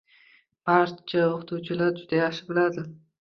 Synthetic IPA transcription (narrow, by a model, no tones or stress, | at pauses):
b̥aɾt͡ʃʰaoχt̪ʰut͡ʃʰɪlaɾd͡ʒʊd̪ajaχʃɪ̥bɪlad̪ɪ